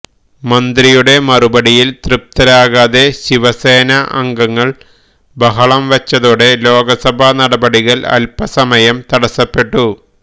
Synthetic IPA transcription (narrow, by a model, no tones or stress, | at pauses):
mɐnd̪rijuɽe̞mɐrubɐɽijilt̪rɨp̚t̪ɐɾaːɣaðeɕiʋɐse̞ːnɐʔɐ̰ŋɡɐŋːɐɭ | bɐɦɐɭɐmʋɐt͡ɕːɐðoːɽe̞lo̞ːɡɐsɐbʱɐnɐɽɐbɐɽiɣɐlɐ̰lpɐsɐmɐjɐmt̪ɐɽɐsɐpːe̞ʈːu